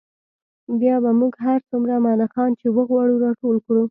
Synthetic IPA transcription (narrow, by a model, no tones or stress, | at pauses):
bjɑbamuɡɦaɾt͡sumɾamɑnaxɑnt͡ʃewəɣwɑɽuɾɑʈolkɽu